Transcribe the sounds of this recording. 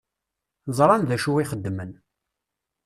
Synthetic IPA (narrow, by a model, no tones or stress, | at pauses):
zˤɾˤɑnðæʃuwiχəd̪ːmən